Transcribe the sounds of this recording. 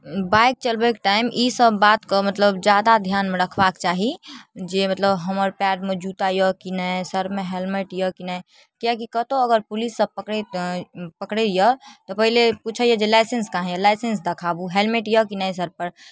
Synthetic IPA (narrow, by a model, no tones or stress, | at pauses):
baɪk̚t͡ʃəlbekʈaːɪmisəbːaːt̪komət̪ləbd͡ʒjaːd̪ad̪ʱjaːnmẽɾəkʰbaːkt͡ʃaːɦid͡ʒemət̪ləbɦəməɾpɛːɖmẽd͡ʒuːt̪ajɔkinəsəɾmẽɦelmeʈjəkinə | kakikət̪oəɡəɾpʊlisːəb̚pəkɽe | pəkɽejət̪ɔpəɦileput͡ʃʰəjəd͡ʒelaɪsenskaɦɛ̃jəlaɪsens̬d̪ɐkʰabuɦelmeʈjəkinəjs̬əɾpəɾ